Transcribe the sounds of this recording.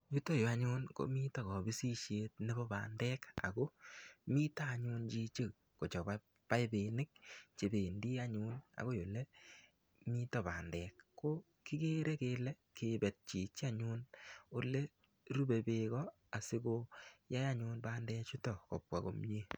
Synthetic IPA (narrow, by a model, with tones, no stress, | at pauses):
ju˦to˦jo˨a˨ɲʊ˦nko̰˨miː˦tɔ˨kɔ˨bi˦si˦ʃje˦tne˦bɔ˦ba̰˨ndɛː˦ka̰˨ko˦miː˦ta˦˨ɲu˧nt͡ʃi˦t͡ʃi˦k | ko˨t͡ʃɔ˨ba | pa˦be˨nɪ˦k̚t͡ʃe˨be˨ndi˦a˦ɲu˦na̰˨ɣo˦jo˨le˦ | miː˦tɔ˨ba˨ndɛː˨kːo˦ | ki˦ke˦ɾe˦keː˧lɛ˦ | ke˨bɛ˨t̚t͡ʃi˨t͡ʃa˦ɲu˦no˦le˦ | ɾu˦be˨beɣɔ | a˨si˦koja˦ja˦ɲʊ˧nba˦ndɛː˦t͡ʃu˦tɔ˨kɔ˨p̚wa̰˨ko̰˨mɲe˦